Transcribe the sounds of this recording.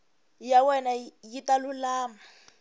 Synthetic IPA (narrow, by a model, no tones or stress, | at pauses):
jawɛnajitalʊlaːma